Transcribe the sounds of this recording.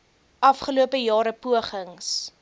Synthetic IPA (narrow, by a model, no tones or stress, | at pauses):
ʔɐfχəluəpəjɑːɾəpuəχəŋs